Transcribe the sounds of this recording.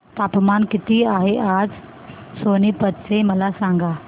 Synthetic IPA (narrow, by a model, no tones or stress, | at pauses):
t̪apmankit̪iːaɦeʔad͡z | soniːpət̪t͡seməlasaŋɡa